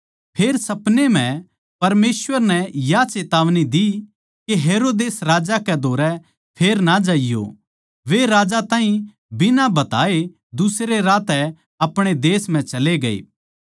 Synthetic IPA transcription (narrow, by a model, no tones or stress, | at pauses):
pʰeːɾsɐpnem̤ɛ̃ | pɐɾmeːsʋəɾnɛjat͡ʃeːt̪aːʋnid̪i | keɦeːɾoːd̪eːsɾaːd͡ʒakɛd̪ʱoːɾɛ | pʰeːɾnad͡ʒaːijo̰ | ʋeɾaːd͡ʒat̪ãːɦĩ | bɪnabɐt̪aːe | d̪ʊsɾeɾaːt̪ɛ | ɐpɽ̃ed̪eːsm̤ɛ̃t͡ʃɐleɡɐḛː